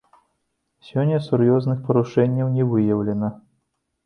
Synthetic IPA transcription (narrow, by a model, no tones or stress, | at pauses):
sʲɔnʲːɐsurjɔznɨxpɐɾuʂɛnʲːɐwnʲɛvɨjɐwlʲɛnɐ